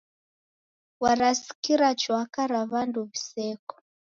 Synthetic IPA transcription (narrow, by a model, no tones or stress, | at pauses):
waɾasi̥kiɾat͡ʃwakaɾaβanduβisɛkɔ̥